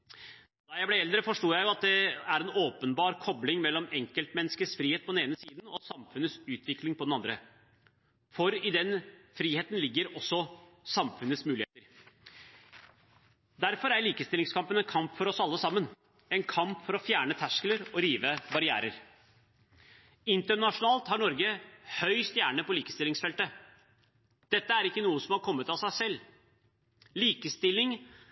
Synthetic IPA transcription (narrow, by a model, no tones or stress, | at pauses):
d̪̥ɑjæɪblæɛld̪ɾəfɔʂʈuːjæɪjʊɑt̪̚d̪ɛæɾɛnoːpənbɑːɾkʰɔblɪŋmɛlːɔmɛŋkəlt̪mɛnːskəsfɾiːheːt̪̚pʰɔd̪ɛneːnəsiːd̪n̩ɔsɑmfʉnət̪sʉːt̪ʋɪklɪŋpɔd̪ɛnɑnd̪ɾə | fɔɾɪd̪ɛnfɾiːheːt̪nlɪɡːəɾɔsːɔ | sɑmfʉnːətsmʉːlɪheːt̪əɾ | d̪æɾfɔɾæɾɭiːkəst̪ɪlɪŋskʰɑmpənɛnkʰɑmpfɔɾɔsɑlːəsɑmːən | ɛnkʰɑmpfɔɾɔfjæːɳət̪ʰæʂkələɾɔɾiːʋəbɑɾɪæ̰ːɾəɾ | ɪnt̪əɳɑʂʊnɑːlt̪hɑɳɔɾɡəhœʏst̪jæːɳəpɔliːkə̥st̪ɪlɪŋsfɛlt̪ə | d̪̥ɛt̪ːəæɾɪkːənuːəsɔmhɑɾkʰɔmːət̪ɑsæɪsɛlː | liːkəst̪ɪlːɪŋ